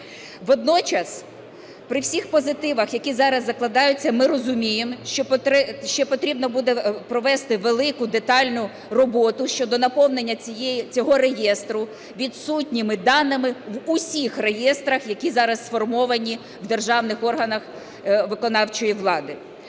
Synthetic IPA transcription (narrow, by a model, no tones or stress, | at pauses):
ʋɔd̪nɔt͡ʃɐs | pɾɪwsʲixpɔzɪt̪ɪʋɐxjɐkʲizɑɾɐzːɐklˠɐd̪ɑjʊt͡sʲːɐmɪɾɔzʊmʲijemʃt͡ʃɔʃt͡ʃɔɛpɔt̪ɾʲibnɔbud̪ɛpɾɔʋɛst̪ɪʋelˠɪkʊd̪et̪ɑlʲnʊ | rɔbɔt̪ʊʃt͡ʃɔd̪ɔnɐpɔwnenʲːɐijɛjt͡sʲɔɦɔɾejɛst̪ɾʊ | ʋʲid̪sutʲnʲɪmɪd̪ɑnɪmɪʋʊsʲixre̞jɛst̪ɾɐxjɐkʲizɑɾɐssfɔrmɔʋɐnʲi | wd̪erʒɑwnɪxɔrɦɐnɐx | ʋɪkɔnɑwt͡ʃɔjiʋlˠɑd̪ɪ